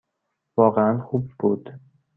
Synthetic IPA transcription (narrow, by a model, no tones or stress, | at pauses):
vɒːɣeænxuːb̚ːuːd̪̥